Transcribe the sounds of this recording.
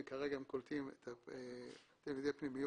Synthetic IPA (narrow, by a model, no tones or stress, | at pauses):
kaʁeɡaemkolt̪imet̪ʰaet̪emjod̪epnimijo